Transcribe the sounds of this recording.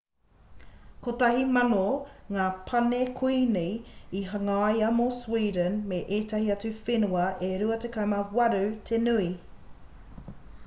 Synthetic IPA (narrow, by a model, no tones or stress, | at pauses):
kotɐhimɐnoŋaːpʰɐnekʰujnejiɦɐŋɐɐjɐmoswiːdənmeʔetɐhiɐt͡sʉfenuɐʔeɾuɐtekamɐwɐɾʉtʰenʉi